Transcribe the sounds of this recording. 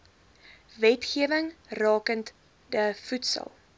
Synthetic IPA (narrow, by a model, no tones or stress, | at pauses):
vɛtχiəvəŋrɑːkənt | dəfutsə̰lˠ